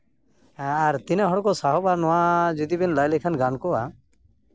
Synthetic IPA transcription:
aɾt̪inaɦɔɽɔkɔsaɦɔbanɔwad͡ʒid̪ibinlajlɛkʰanɡankɔa

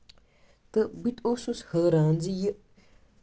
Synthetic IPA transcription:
t̪əbit̪ososhəɾand͡zijə

